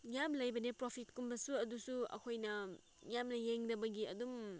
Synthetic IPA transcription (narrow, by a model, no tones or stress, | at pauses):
jamlɐjbɐnepɾopʰit̚kumbɐsuɐdusuɐ̰kʰojnɐ | jamnɐjeŋdɐbɐɡiɐ̰dum